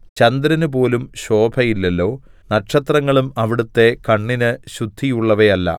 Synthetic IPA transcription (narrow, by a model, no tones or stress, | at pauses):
t͡ɕɐnd̪ɾɐnupo̞ːlumɕo̞ːbʱɐjilːelːo̞ː | nɐʈʂɐt̪rɐŋːɐɭumɐʋiɽut̪ːe̞kɐɳːinɨɕud̪ʱːijuɭːɐʋɐjɐlːɐ̰